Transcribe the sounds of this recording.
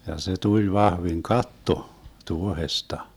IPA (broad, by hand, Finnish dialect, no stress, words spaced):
jɑ se tulʲ ʋɑhʋiŋ kɑtːo tuohestɑ